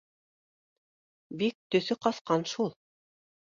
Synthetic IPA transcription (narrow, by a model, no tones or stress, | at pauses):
bik̚t̪ɵ̆θɵqɑsqɑnʃulˠ